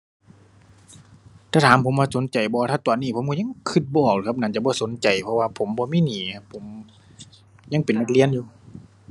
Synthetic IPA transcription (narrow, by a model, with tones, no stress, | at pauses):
t̪ʰaː˧˩t̪ʰaː˨˦mpʰo˨˦mwaː˧˩so˨˦nt͡ɕa˨˩jbɔː˧t̪ʰaː˧˩t̪ɔː˨˩nːiː˧˩pʰo˨˦mkɔ˧˨ɲa˧˥˨ŋkʰɯ˧˥t̪̚bɔː˧˩k̚lːkʰa˧p̚na˧˩˨nt͡ɕa˧˩bɔː˧˦so˨˦nt͡ɕa˨˩jpʰɔ˧waː˧pʰo˨˦mbɔː˧miː˧˥˨niː˨˩˦kʰa˧pʰːo˨˦m | ɲa˧˥ŋpe˨nma˧k̪̚li˧˥ənjuː˧˩